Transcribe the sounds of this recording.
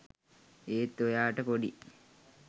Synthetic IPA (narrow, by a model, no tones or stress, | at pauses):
eːt̪ːojaːʈəpoɖi